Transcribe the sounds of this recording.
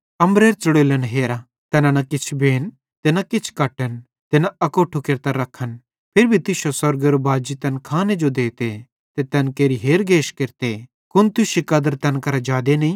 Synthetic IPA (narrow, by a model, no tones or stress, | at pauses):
ɐmɾeːɾt͡ʃɐɽoːlənɦeːɾa | t̪ɛːnanɐkɪt͡ʃʰbeːn | t̪eːnakɪt͡ʃʰkɐʈən | t̪enaɐkoːʈʰukɪɾt̪aɾɐkʰːən | pʰɪɾbʱit̪ɪʃosɐɾɡəɾobaːd͡ʒit̪ɛnkʰaːned͡ʒod̪eːt̪e | t̪et̪ɛnkeːɾiɦeːɾɡeːʃkɪɾt̪e | kʊnt̪ʊʃikɐd̪əɾt̪ɛnkɐɾad͡ʒaːd̪enɐĩ